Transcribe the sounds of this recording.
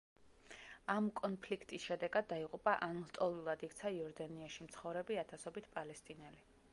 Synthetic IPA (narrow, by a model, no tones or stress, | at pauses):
amkʼɔnpʰlikʰt̪ʼisʃɛd̪ɛɡad̪ːaiqʼupʼaʔanɔst̪ʼɔlˠulˠad̪ik̚ʰt̪sʰaiɔɾd̪aniaʃimt̪sʰχɔvɾɛbiat̪ʰasɔbit̪ʰpʼalɛst̪ʼinɛli